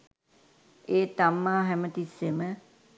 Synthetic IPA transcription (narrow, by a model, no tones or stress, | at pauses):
eːt̪amːaːɦɛmət̪isːemə